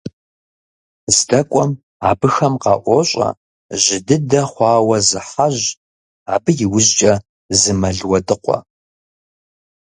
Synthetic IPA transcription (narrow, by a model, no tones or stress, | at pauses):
zdɐkʷʼɔm | a̰ːbɨxɐmqɑ̰ʔʷɔɕʼɐ̰ | ʒɪdɨdɐχʷɑːwɐzɨħaʒ | aːbɨjɪwʊʑt͡ʃʼɐ | zɨmɐɮwɐdʼɨqʷɔ̰